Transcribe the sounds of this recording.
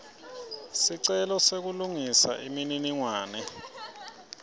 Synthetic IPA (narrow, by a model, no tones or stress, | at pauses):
siǀɛlɔsek̬uluŋisa̰ʔimininiŋwaːnɛ